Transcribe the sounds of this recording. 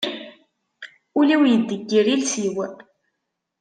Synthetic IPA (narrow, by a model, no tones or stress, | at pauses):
ʊliwjəd̪ːəɡːiɾilsiwə